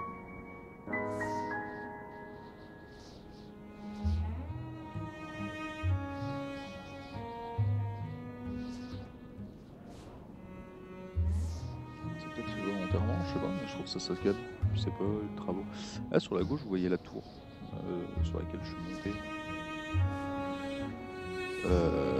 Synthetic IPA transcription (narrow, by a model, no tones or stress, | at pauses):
sɛt̪ɛsivɔmɔ̃t̪ɛʁmɑ̃əsɛpaɔ̃siʃt̪ʰufsasakʲapysɛpalet̪χavoʔa̰syʁlaɡoʃvuvwajɛlat̪ʰṵʁ | ø̰syʁlʔa̰kʲɛlʒəsɥiɔ̃t̪e | ø